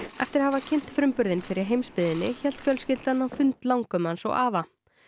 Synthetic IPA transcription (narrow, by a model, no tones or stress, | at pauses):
ɛ̰ft̪ɪɾhavacʰɪn̥t̪fɾʏmpʏɾðɪnfɪɾɪɾ̥ɦejmspɪðɪnːɪçɛl̥t̪fjœlscɪlt̪anːafʏnt̪lawŋkʏmansɔ̰ɣaːva